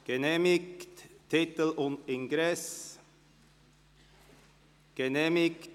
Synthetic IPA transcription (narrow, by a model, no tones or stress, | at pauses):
ɡ̥ɛnemɪkt̪t̪ʰɪt̪əlɔnɪŋɡɾɛs | ɡ̥ɛnemɪk